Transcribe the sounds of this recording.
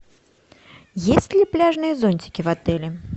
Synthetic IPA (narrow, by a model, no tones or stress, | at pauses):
jesʲt͡sʲlʲiplʲaʐnɨjɐzɔnʲt͡sʲi̥kʲivat̪ɛlʲi